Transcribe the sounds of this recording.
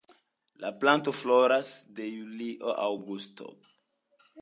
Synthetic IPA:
laplãntoflɔɾasdejuliʔəʔawɡust̪o̰

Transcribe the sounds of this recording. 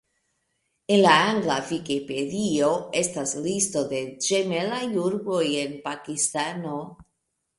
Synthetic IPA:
enlaaŋɡlafikepeðioest̪azlist̪oðed͡ʒemelajuɾβoienpakist̪ano

